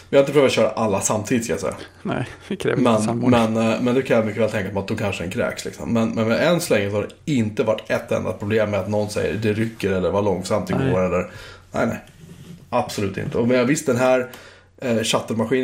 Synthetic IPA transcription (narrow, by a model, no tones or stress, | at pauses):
vjaɪnəpɾhːvat̪ɕœːɾa̰ʔalːasamt̪ʰiːd̪ɪtskalja̰sɛ̰jːa̰ | mɛnmɛnmɛnd̪ɛkʰajamʏkːəvɛːlt̪ʰɛŋkapmɛat̪̚d̪ɔkʰanʂəd̪ɛnkʰɾɛ̰ːkslɪ̰ksɔ̰mːɛnmɛnvaɛnsɔlɛŋːɾəsɔhadɖɛɪnt̪əvaʈːɛt̪ːɛ̰nd̪a̰pʰɾʊbleːmːɛat̪nɔnsɛ̰jːə̰ɾd̪ɛɾʏkːəɾɛlːəɾvalɔŋsamt̪ɪɡoːɾɛlːəɾnæ̰ɪnɛ̰ɪ | ab̥sɔlʉ̟ːt̪ɪ̰nt̪əɔmɛavɪst̪̚d̪ɛnɦæːɾ | ɕat̪ːəɾmaɧiːn